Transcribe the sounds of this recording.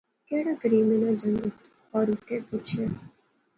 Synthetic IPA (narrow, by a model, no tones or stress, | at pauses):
keːɽaːɡəɾiːmenãːd͡ʒə̃ŋɡ | xɔːɾʊt̪ːepuːt͡ʃʰijaː